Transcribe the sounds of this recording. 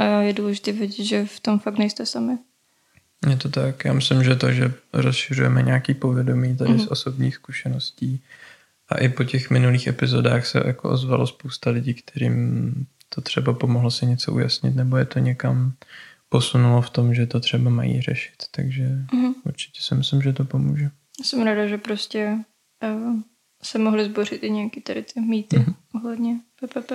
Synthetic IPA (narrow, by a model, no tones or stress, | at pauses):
ajɛduːlɛʒɪt̪iːvɪɟɛt̪ʒɛft̪omfak̚t̪nɛjst̪ɛsamɪ | jɛt̪ot̪akjaːmɪslɪmʒɛt̪oʒɛɾosʃɪrujɛmɛɲɛaːkiːpovjɛdo̞miːt̪adɪsʔoso̞bɲiːxskuʃɛno̞sciː | ʔa̰ʔɪpo̞cɛxmɪnuliːxɛpɪzo̞da̰ːxsɛ̰jako̰ʔo̞̰zva̰lospowst̪alɪɟiːkt̪ʰɛɾḭːm | t̪ʰo̞t̪r̥ɛbapo̞moɦlosɪɲɛt͡so̞ʔṵja̰sɲɪ̰t̪nɛbo̞jɛt̪oɲɛkampo̞sunuloft̪o̞mʒɛt̪o̞t̪r̝̥ɛbama̰jḭːr̝ɛʃɪ̥t̪ːaɡʒɛʔuɾt͡ʃɪ̥cɛ̥sɪmɪslɪmʒɛt̪opomṵːʒɛ | asɛmɾaːdaʒɛpɾoscɛ | sɛmoɦlɪzborɪt̪ʔɪɲɛjakit̪ɛɾɪt̪ɪmiːt̪ɪʔoɦlɛd̪ɲɛpɛpɛpɛ